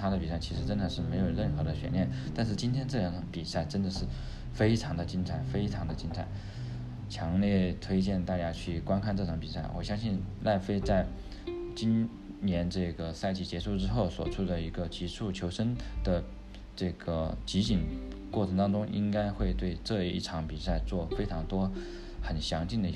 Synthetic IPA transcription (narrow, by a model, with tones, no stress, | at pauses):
ɑ˧˥ŋd̪ə˧pi˨˩sa˥˩ɪi˧˥ʂɻ̩˧˥ʈ͡ʂə˥nə˨˧ʂɻ̩˥˩me˧˥ɪjo˨˩ʊɻə˥˩nxɤ˧˥d̪ə˧ɕɥɛ̰˧˥nljɛ˥˩nt̪a˥˧nʂ̬ɻ̩˥˩t͡ɕi˥nt̪ʰjɛ˥nʈ͡ʂɤ˥˩ɑ˨˥˩ŋpi˨˩sa˥˩ɪʈ͡ʂə˥nd̪ə˨ʂɻ̩˥˩ | fe˥ɪʈ͡ʂʰɑ˧˥ŋd̪ə˧t͡ɕi˥nʈ͡ʂʰa˨˩ɪfe˥ɪʈ͡ʂʰɑ˧˥ŋd̪ə˧t͡ɕi˥nʈ͡ʂʰa̰˨˧˩ɪ | t͡ɕʰjɑ˧˥ŋljɛ˥˧t̪ʰwe˥ɪt͡ɕjɛ˥˧nt̪a˥˩t͡ɕja˥t͡ɕʰy˥˩kwa˥nkʰa˥˧nʈ͡ʂɤ˥˩ɑ˧˥ŋpi˨˩sa˥˩ɪwʔɔ̰˨˩ɕjɑ˥ŋɕi˥˧nla˥˩ɪfe˥ɪt͡sa˥˩ɪ | t͡ɕi˥n | njɛ˧˥nʈ͡ʂɤ˥˩ɡə˩sa˥˧ɪt͡ɕi˥˩t͡ɕjɛ˧˥ʂu˥˧ʊʈ͡ʂɻ̩˥xo˥˩ʊswɔ̰˨˩ʈ͡ʂʰu˥d̪ə˨i˧˥ɡə˧t͡ɕi˧˥ʂʰu˥˩t͡ɕʰjo˧˥ʊʂə˥nd̪̥ə˧ | ʈ͡ʂɤ˥˩ɡ̥ə˩t͡ɕi˧˥t͡ɕi˨˩n | kwɔ˥˩ʈ͡ʂʰɤ˧˥ŋt̪ɑ˥ŋʈ͡ʂʊ˥ŋʔḭ˥ŋka˥ɪxwe˥˧ɪt̪we˥˧ɪʈ͡ʂɤ˥˧ḭ˥˩ʈ͡ʂʰɑ˧˥ŋpi˨˩sa˥˧ɪt͡swɔ˥˩fe˥ɪʈ͡ʂʰɑ˧˥ŋt̪wɔ˥ | xə˨˩nɕjɑ˧˥ŋt͡ɕi˥˩ŋd̪ə˩˥